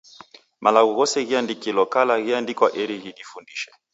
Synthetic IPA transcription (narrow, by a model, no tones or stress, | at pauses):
mʔalaɣuɣɔsɛɣiandikilɔkalaɣiandikwaʔɛɾiɣiɗifundiʃɛ̥